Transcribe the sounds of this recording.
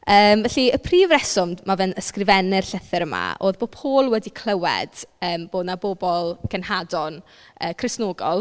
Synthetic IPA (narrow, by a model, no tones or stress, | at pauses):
əːmvɛɬiəpʰriːvrɛsɔmdmavɛnəskrɪvɛnɪrɬəθɪɾəma̰ʔoːðboːpʰoːlˠwɛdikʰlˠəwɛ̰d̥əːmb̥oːdnabobɔlˠɡ̥ənhadɔn | əːkʰrɪsnoːɡɔlˠ